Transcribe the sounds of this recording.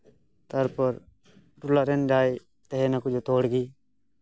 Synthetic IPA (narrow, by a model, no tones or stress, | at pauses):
t̪əɾpəɾ | ʈʊlaːɾenɖaːiː | t̪eɦeːnaːkʊd͡ʒʱot̪oːɽɡiː